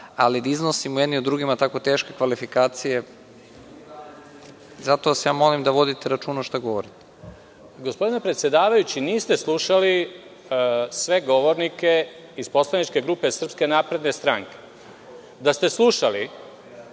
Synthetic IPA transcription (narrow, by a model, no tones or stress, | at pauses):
alid̪aiznosimujed̪niod̪ːɾuɡimat̪ako̞t̪e̞ːʃke̞kʋalifikaːt̪sije̞ | zat̪o̞asjaːmo̞limd̪aʋo̞d̪it̪eɾat͡ʃuːnoʃt̪aɡo̞ʋoɾit̪ | ɡospod̪ine̞pɾet̪sjed̪aːʋajut͡ɕiniːst̪e̞slˠuʃali | sʋe̞ɡo̞ʋoɾnike̞ | ispo̞slˠanit͡ʃke̞ɡɾuːpesr̩pske̞naːpɾe̞d̪nest̪ɾaŋke̞ | d̪ast̪e̞slˠuʃali